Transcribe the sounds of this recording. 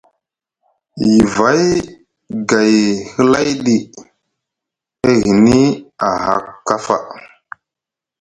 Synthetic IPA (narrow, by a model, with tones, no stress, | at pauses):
ji˨va˦j | ɡa˨jhə˦la˦jɗi˨ | e˦ɣi˨ni˦a˨ha̰˨kːa˦fa̰˨